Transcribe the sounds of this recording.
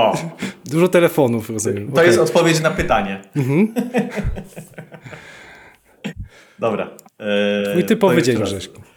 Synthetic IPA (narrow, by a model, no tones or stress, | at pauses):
ɔd̪uʐɔt̪ɛlɛfɔnufɾɔzumjɛmt̪ɔjɛst̪ɔt̪̚pɔvʲjet͡ɕnapɘt̪aɲɛm̩ɦm̩ | d̪ɔbɾa̰ | it̪ɨpɔvved͡ʑɛɲʐɛʂki